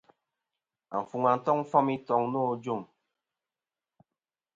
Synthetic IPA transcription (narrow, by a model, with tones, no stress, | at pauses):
a̰˨ɱ˨fu˨ŋa˨n̩˨tɔ˦ŋ̩˦fɔ˦mi˦tɔ˨ŋno˦˨˦d͡ʒo˦˨m